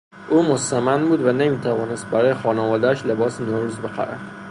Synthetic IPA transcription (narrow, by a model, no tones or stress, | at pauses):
ʔumost̪amanbud̪vanemit̪ʰavɒnɪst̪̚baɾɒjexɒnavɒːd̪aʃlebɒsnoɾuzbɪqʰa̰ɾa̰d̪̥